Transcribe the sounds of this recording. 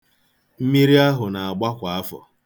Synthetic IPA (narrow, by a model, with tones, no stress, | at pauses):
m̩˦mi˦ɾi˦a˦ɦʊ˨na˨a˨ɡ͡ba˦kʷa˨a˦fɔ̰˨